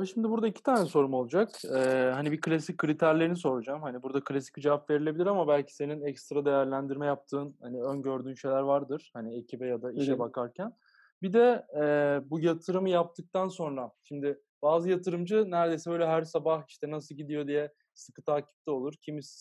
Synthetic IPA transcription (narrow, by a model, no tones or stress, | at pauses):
ɛʃimd̪ibuɾd̪aicʰit̪ʰaːnɛso̞ɾumo̞lˠud͡ʒakɛhanibikʰɯlʲasicʲkːɯɾit̪ʰæɾlʲeɾiniso̞ɾud͡ʒamhanibuɾd̪akʰɯlʲasi̥cid͡ʒevapve̞ɾilʲe̞bilʲiɾamabælʲcʰi̥se̞ninɛcst̪ɾad̪e̞jæɾlʲænd̪iɾmɛjap̚t̪ʰɯːnhaniønɟø̞ɾd̪yːnʃe̞jlʲæɾvaɾd̪ɯɾ̥haniecʰibɛjad̪aiʃɛbakʰaɾcʰæn | bid̪ɛɛːbujat̪ʰɯɾɯmɯjap̚t̪ʰɯk̚t̪ʰanso̞nɾaʃimd̪ɪ | b̥aːzɯjat̪ʰɯɾɯmd͡ʒɯnæɾd̪e̞jsɛbø̞jlʲɛɦæɾsabahiʃt̪ɛnas̬ɯlˠɟid̪ijo̞d̪ijɛ | sɯ̥kɯt̪ʰaːcʰi̥p̚t̪ʰɛo̞lˠuɾcʰimis